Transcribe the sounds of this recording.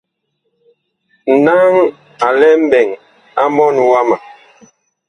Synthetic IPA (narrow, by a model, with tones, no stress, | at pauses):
n̩˨na˦ŋ | a˨lɛ˦m̩˦bɛ˨ŋ | a˦mɔ˦nwa˦ma˨